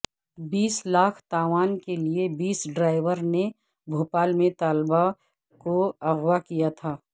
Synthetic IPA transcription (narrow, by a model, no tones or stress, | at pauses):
biːslaːkʰt̪aːʋaːnkeliebiːsɖɾaːɪʋəɾne | bʱoːpaːlmẽt̪aːlba | koɐɣwakijat̪ʰaː